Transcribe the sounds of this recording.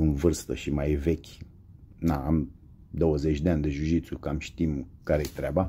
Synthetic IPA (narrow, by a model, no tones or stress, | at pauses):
ɨnvɨrst̪ə̰ʃimajvekʲ | naam | d̪o̞wəzet͡ʃʲd̪eanʲd̪eʒuʃit̪sukamʃt̪imkaɾejet̪ɾʲeaba